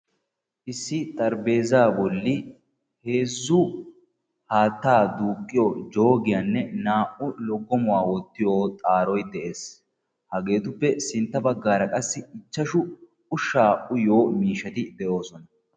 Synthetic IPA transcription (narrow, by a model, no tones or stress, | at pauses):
ʔɪsːɪt̪ʼɐɾbe̞ːzaːbɔlːɪ | he̞ːzːʊ | haːt̪ːaːd̪uːkʼːɪjɔd͡ʒo̞ːɡɪjanːɛnaːʔʊlɔɡːɔmʊwaːwɔt̪ːɪjoːt̪ʼaːɾɔjd̪ɛʔe̞ːs | hɐɡe̞ːt̪ʊpːɛsɪnt̪ːɐbɐɡːaːɾɐkʼɐsːɪɪt͡ʃːɐʃʊ | ʊʃaːʔʊjo̞ːmiːʃːɐt̪ɪd̪ɛʔo̞ːsɔnɐ